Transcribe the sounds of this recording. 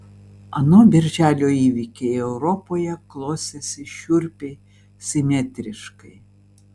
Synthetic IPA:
ɐnoːbʲɪɾʲʒʲæːlʲoːiːʋʲikʲeɪɛʊɾɔpoːjɛklˠoːsʲɛsʲɪʃʲʊɾʲpʲeɪ | sʲɪmʲɛt̪ʲɾʲɪʃkɐɪ

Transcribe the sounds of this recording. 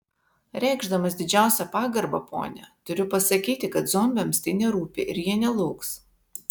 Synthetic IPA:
ɾʲɛˑɪɡʒd̪ɐmɐsd̪ʲɪd͡ʒʲæˑʊsʲɛpɑːɡɐɾbɐ̰pʰo̰ːnʲɛ̰t̪ʊɾʲʊpɐsɐkʲiːt̪ʲɪkɐt̪zɔmʲbʲɛmst̪ɐɪnʲɛɾuːpʲɪʔɪɾjiɛnʲɛlˠɐʊks

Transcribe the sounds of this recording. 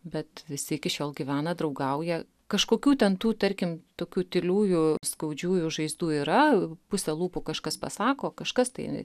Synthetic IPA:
bʲɛt̪ʋʲɪsʲɪɪkʲɪʃʲoːlˠɡʲiʋʲæːnɐd̪ɾɐʊɡɐʊjɛ | kɐʃkoːkʲuːt̪ʲɛnt̪uːt̪ɐɾʲkʲɪmt̪oːkʲuːt̪ʲɪlʲuːjʊskɐʊd͡ʒʲuːjʊʒɐɪzd̪uːiːɾɐpʊsʲɛlˠuːpʊkɐʃkɐspɐsɑːkoːkɐʃkɐst̪ɐɪ

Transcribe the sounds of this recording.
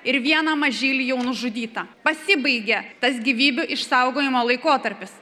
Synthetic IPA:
ɪɾʋʲiɛnɐmɐʒʲiːlʲɪjɛʊnʊʒʊd̪ʲiːt̪ɐpɐsʲɪbɐɪɡʲet̪ɐsɡʲiːʋʲiːbʲʊʔɪʃsɐʊɡoːjɪmoːlˠɐɪkoːt̪ɐɾʲpʲɪs

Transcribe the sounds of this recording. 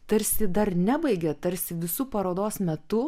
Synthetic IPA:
t̪ɐɾʲsʲɪd̪ɐrnʲæbɐɪɡʲɛt̪ɐɾʲsʲɪʋʲɪsupɐɾoːd̪oːsmʲɛt̪ʊ

